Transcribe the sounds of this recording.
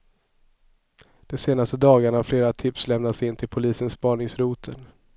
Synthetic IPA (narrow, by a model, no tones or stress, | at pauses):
d̪̥ɔseːnast̪əd̪ɑːɡaɳahaɾfleːɾat̪ʰɪpslɛmnat̪sɪnt̪ʰɪlpʰʊliːsənspɑːɳɪŋsɾuːt̪ʰən